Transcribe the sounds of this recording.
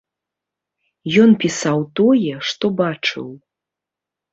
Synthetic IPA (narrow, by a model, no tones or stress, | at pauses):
jɔnpʲisawt̪ɔjɛʂt̪ɔbat͡ʂɨ̰w